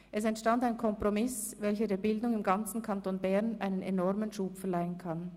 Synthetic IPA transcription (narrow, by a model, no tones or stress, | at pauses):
ʔɛsɛntʃtantaɪnkʰɔmpʁomɪs | vɛlçədeːɐbɪldʊŋɪmɡant͡sn̩kʰantoːnbɛʁnʔa̰ɪnənenɔʁmənʃuːpfɛɐlaɪənkʰan